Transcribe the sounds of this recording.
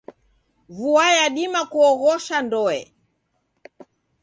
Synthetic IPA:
vuwajaɗimakuɔɣɔʃandɔɛ̰

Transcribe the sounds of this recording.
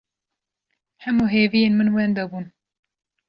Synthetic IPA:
hɛmuɦeːvijeːnmɨnwɛnd̪ɐbuːn

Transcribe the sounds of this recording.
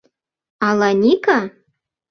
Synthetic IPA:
ɑlˠɑnʲika

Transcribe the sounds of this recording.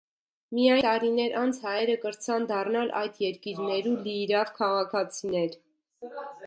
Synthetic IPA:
mijɑjt̪ɑɾinɛɾʔɑnt͡sʰhɑjɛɾəkəɾt͡sʰɑnd̪ɑrnɑlʔɑ̰jd̪jɛɾkiɾnɛɾuliɾɑvkʰɑʁɑkʰɑt͡sʰinɛɾ

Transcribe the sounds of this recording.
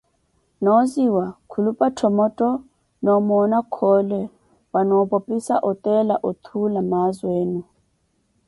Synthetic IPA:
nɔziwakʰulupʼatʰɔmɔtʼɔ | nɔmɔnakʰɔlɛ | wanɔpɔpʼisaʔɔt̪ʼɛlaʔɔt̪ʰulamazweːnu

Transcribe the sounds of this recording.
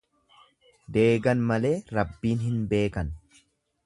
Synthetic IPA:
d̪e̞ːɡɐnmɐle̞ːɾɐbːiːnɦɪnbe̞ːkɐn

